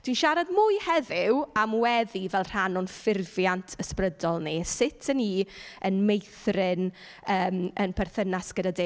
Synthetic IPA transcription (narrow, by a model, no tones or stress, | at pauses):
d̥winʃaɾadmʊjhɛðɪwamwɛðivɛlˠr̥anɔnfɪrvjantʰəsprədɔlˠnisɪtʰəniːənmejθrɪn | əːmənpʰɛrθənasɡ̥ədadɪ